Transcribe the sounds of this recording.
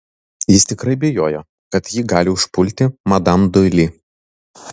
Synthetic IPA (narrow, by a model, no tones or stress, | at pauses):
jɪst̪ʲɪkɾɐɪbʲɛjoːjo | kɐt̪jiːɡɑːlʲɪʊʃpʊlʲt̪ʲɪmɐd̪ɐmd̪ʊɪlʲiː